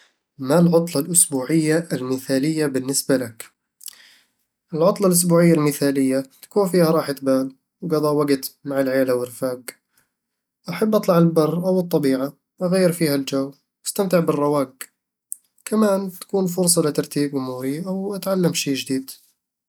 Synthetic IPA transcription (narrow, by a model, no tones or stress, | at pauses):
malʕʊt̪ˤlɑlʔʊsbuːʕɪjːaʔɪlmɪθaːlɪjːabɪnːɪsbalak | ʔɪlʕʊt̪ˤlɑlʔʊs̬buːʕɪjːalmɪθaːlɪjːat̪ḁkuːnfiːhaɾˤɑːħɪt̪baːl | wɡɑðˤɑːwaɡt̪maʕɪlʕajaːlawɪrfaːɡ | ʔaħabːʔɑt̪ˤlɑʕɪlbɑrˤːʔawɨt̪ˤːɑbiːʕa | ʔaɣajːɪɾfiːhald͡ʒaw | ʔast̪amt̪ɪʕbɪrˤːɑwaːɡ̚ | kʰamaːnt̪ḁkuːnfʊɾsˤɑlɪt̪ɑɾˤt̪iːbʔʊmuːɾiʔawʔat̪ʕalːamʃiːd͡ʒɪd̪iːd̪̥